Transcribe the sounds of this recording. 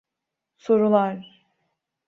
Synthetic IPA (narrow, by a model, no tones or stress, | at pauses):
so̞ɾulˠaɾ